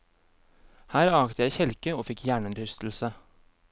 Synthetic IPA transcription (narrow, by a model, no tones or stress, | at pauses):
hæːɾɑːkt̪əjæɪçɛlkəoːfɪkʰjæːɳʉnɾʰʏst̪l̩sə